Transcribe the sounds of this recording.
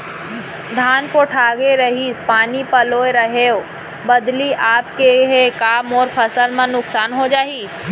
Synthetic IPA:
d̪ʱaːnkoʈʰaːɡeɾɐɦiːspaːnipɐloːeɾɐɦeːo | bɐd̪liʔaːp̚keɦekaːmɔːɾpʰɐsəlmãnʊksaːnɦod͡ʒaːiː

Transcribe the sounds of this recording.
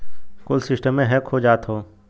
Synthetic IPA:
koːlsɪsʈəmːẽɦɛkhod͡ʒaːt̪ɦoː

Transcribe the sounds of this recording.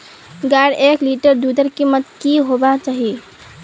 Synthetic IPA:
ɡajɽekliʈəɾd̪ud̪əɾkimət̪kiɦobat͡ʃaɦi

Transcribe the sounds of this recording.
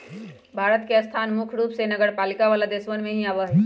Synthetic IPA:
bʱaːɾət̪keɐst̪ʰaːnmʊkʰɾuːpsenəɡəɾpaːlɪkaʋaːlad̪eːsʋənmẽɦĩaːʋəɦɛ

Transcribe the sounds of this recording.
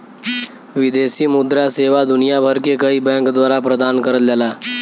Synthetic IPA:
ʋɪd̪eːsiːmʊd̪ɾaseːʋad̪ʊnijabʱəɾkekəibɛ̃kd̪waːɾapɾəd̪aːnkəɾəld͡ʒalaː

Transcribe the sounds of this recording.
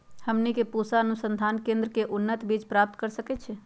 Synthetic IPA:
həmnikepusaənusənd̪ʱaːnkẽnd̪ɾəkeʔunːət̪bid͡ʒpɾap̚t̪kəɾsəkɛt͡ʃʰɛ

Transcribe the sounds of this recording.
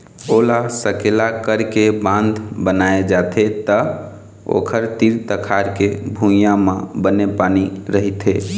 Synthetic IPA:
olasəkelakəɾkebãnd̪ʱbənaed͡ʒat̪ʰet̪ə | o̰kʰəɾt̪iɾt̪əkʰaɾkebʱujamebənepaniɾəɦit̪e

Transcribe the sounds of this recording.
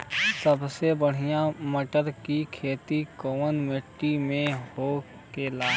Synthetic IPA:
səbsebəɽ̤ijãməʈəɾkikʰeːt̪ikoːʋənmeʈːimẽɦo | kelaː

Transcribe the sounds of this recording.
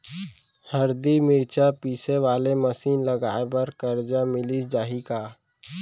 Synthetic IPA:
həɾd̪imɪɾt͡ʃapiːseʋaːleməsiːnləɡaːebəɾkəɾd͡ʒamɪlid͡ʒaːɦikaː

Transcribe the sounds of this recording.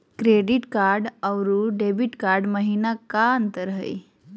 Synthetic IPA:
kɾeɖiʈkaɾɖəwɾuɖebiʈkaɾɖməɦinakant̪əɾɦə̰j

